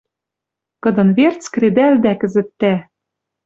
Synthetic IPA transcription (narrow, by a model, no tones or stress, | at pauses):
kɤ̆d̪ɤ̆nβert͡skɾed̪æld̪ækɘ̆zɘ̆t̪ːæ